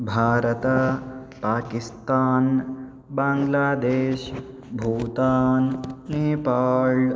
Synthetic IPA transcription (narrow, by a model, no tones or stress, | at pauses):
bʱaːɾɐt̪ɐ | paːkist̪aːn | bãːŋɡlaːd̪eːʃ | bʱuːt̪aːnneːpaːl